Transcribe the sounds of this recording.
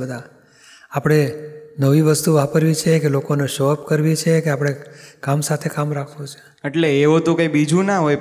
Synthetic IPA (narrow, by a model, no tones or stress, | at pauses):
əd̪ʱa | apɽ̃enəʋiʋəst̪uʋapəɾʋit͡ʃʰekelokoneʃɔp̚kəɾʋit͡ʃʰekeapɽ̃ekamsat̪ʰekamɾakʰʋõt͡ʃʰe̥ | eʈleːʋot̪okaibid͡ʒũnaɦoj